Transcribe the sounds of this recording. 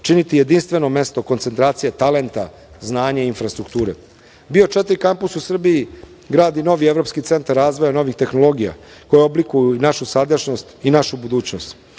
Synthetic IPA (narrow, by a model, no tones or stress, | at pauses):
t͡ʃinit̪ije̞d̪inst̪ʋe̞no̞me̞st̪o̞ko̞nt̪se̞nt̪ɾaːt̪sijet̪ale̞nt̪a | znaːɲaiinfɾast̪ɾukt̪uːɾe̞̰ | bio̞t͡ʃet̪ɾikampususr̩biji | ɡɾaːd̪ino̞ʋie̞ʋɾo̞pskit̪se̞nt̪aɾːaːzʋojano̞ʋixt̪e̞xno̞lo̞ɡija̰ko̞jeoblikujuinaʃusad̪əʃnost̪inaʃubud̪uːt͡ɕnost̪